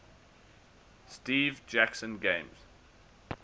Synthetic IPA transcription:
stiːvd͡ʒæksə̃nɡẽɪ̃mz̥

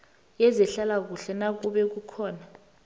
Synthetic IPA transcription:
jɛzɛɬalak̬uɬɛnak̬uɓɛk̬ukʰɔːna

